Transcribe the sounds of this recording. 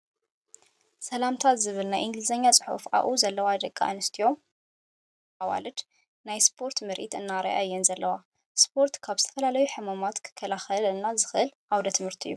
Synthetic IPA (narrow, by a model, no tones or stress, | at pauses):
sɐlamt̪ʰat̪zɨβɨlnajʔĩŋɡlizɐɲːat͡sʼɨ̥ħṵfʔa̰ʔuzɐlːɐwad̪ɐkʼːa̰ʔnɨst̪ʰijo̞ | ʔawa̰lɨd̪ | najspʰo̞ɾt̪mɨɾʔḭt̪ɨnːaɾa̰ʔa̰jːɛnzɐlːɐwa | spʰo̞ɾt̪kʰaβzɨ̥t̪ʰɐfɐlalɐjuħɨmamat̪kʰɨ̥kʰːɐlaxɐlɨnːazɨxʔɨlʔawd̪ɐt̪ʰɨmhɨɾt̪ʰijːu